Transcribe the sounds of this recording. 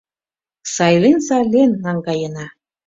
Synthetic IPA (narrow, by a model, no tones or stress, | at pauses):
sɑjlensɑlʲenːɑŋɡɑjənɑ